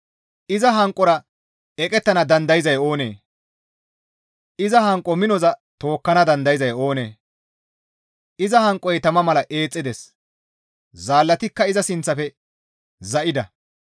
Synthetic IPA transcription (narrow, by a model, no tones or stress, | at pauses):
ʔɪzɐɦɐŋkʼːɔɾɐ | ɛkʼɛt̪ːɐnɐd̪ɐnd̪ɐjɪzɐjo̞ːnḛː | ʔɪzɐɦɐŋkʼːɔmɪnɔzɐt̪o̞ːkːɐnɐd̪ɐnd̪ɐjɪzɐjo̞ːne̞̰ː | ʔɪzɐhɐŋkʼːɔjt̪ɐmɐmɐlɐʔe̞ːt͡sʼːɪd̪ɛs | zaːlːɐt̪ɪkːɐɪzɐsɪnt͡sːɐfɛ | zɐʔɪd̪ɐ